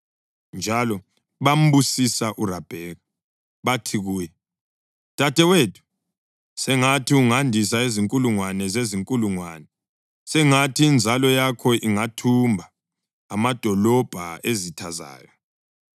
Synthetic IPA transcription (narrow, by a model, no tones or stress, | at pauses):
nd͡ʒʱalɔ | βam̩ɓusisaʔurab̥ʱɛːɣa | βatʰiɣuːjɛ | tʼatʰʼɛweːtʰu̥ | sɛŋatʰiuŋandʱisaeziŋkʼuluŋwanɛzeziŋkʼuluŋwaːnɛ | sɛŋatʰiːnd͡zʱalɔjakʰɔʔiŋatʰumbʱaː | mad̥ʱɔlɔb̥ʱaezitʰaza̰ːjɔ